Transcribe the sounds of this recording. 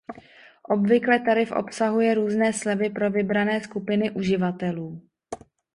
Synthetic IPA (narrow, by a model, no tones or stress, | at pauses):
ʔo̞bvɪklɛt̪aɾɪfʔo̞̰psaɦujɛɾuːznɛːslɛvɪpɾo̞vɪbɾanɛːskupɪnɪʔuʒɪvat̪ɛluː